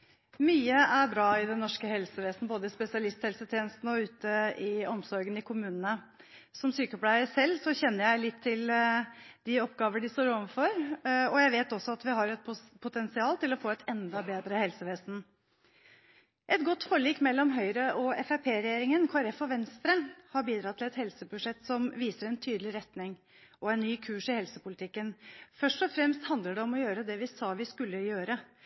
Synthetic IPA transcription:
myːəʔæɾbɾɑːɪd̪ɛnːɔʂkəhɛlsəʋeːsn̩boːd̪əɪspɛsɪɑlɪst̪hɛlsət̪ʰjeːnəst̪n̩ɔʉːt̪əɪɔmsɔɾɡənɪkʰʊmʉːnənə | sɔmsyːkəɔplæɪəsɛlːsɔçɛnːəɾjæɪlɪt̪ʰːɪl | d̪̥ɪɔpːɡɑːʋənɖɪst̪oːɾɔʋəfɔɾɔjæɪʋeːt̪ɔsːɔɑt̪ʋɪɦɑɾɛt̪̚pʰpʰʊt̪ʰɛnsɪɑːlt̪ɪlɔfoːɛt̪ʰɛnd̪ɑbeːd̪ɾəhɛlsəʋeːsn̩ | ʔɛt̪ɡɔt̪ːfoːɭiːkmɛlːɔmɦœʏɾəʔɔɛfæpʰeːɾɛjeːɾɪŋənkʰʊɑɾɛfɔʋɛnst̪ɾənhɑɾbiːd̪ɾɑt̪ʰːɪlɛt̪hɛlsəbʉʂɛt̪ːsɔmʋiːsəɾɛnt̪ʰyːd̪əlɪɾɛt̪nɪŋ | ʔɔɛnːyːkʰʉːʂɪhɛlsəpʊlɪt̪ʰɪkːənfœʂʈɔfɾɛmst̪hɑnd̪ləɖɛɔmɔjøːɾəd̪ɛʋɪsɑːʋɪskʉlːəjøːɾə

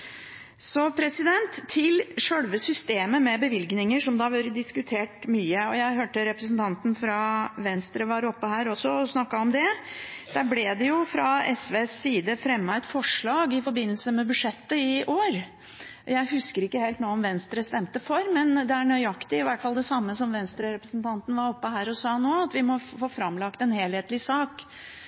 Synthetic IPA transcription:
sɔpʰɾɛsɪd̪ɛnt̪ʰːɪlʂœlʋəsʏst̪eːməmɛbəʋɪlɡnɪŋəʂɔmd̪ɑːʋøːɾəd̪ɪskʉt̪ʰeːʈmyːəɔjæɪɦøːʈəɾɛpɾəsnt̪ʰɑnt̪n̩fɾɑʋɛnst̪ɾəʋɑɾɔpːəɦæːɾɔsːɔɔsnɑkːɑɔmd̪ɛd̪̥æɾblɛd̪ɛjʊfɾɑɛsʋeːsːiːd̪əfɾɛmːəɛt̪fɔʂɭɑːɡɪfɔɾbɪnːəlsəmɛbʉʂɛt̪ːəɪʔoːɾ | jæɪhʉskəɾɪkːəhelt̪noːɔmʋɛnst̪ɾəst̪ɛmt̪əfɔɾmɛnd̪ɛæɳœʏɑkt̪ɪɪʋæʈfɑld̪ɛsɑmːəsɔmʋɛnst̪ɾəɾɛpɾəsnt̪ʰɑnt̪n̩ʋɑɾɔpːəhæːɾɔsɑːnoːɑt̪ʋɪmɔfoːfɾɑmlɑkt̪ɛnheːlheːt̪lɪsɑːk

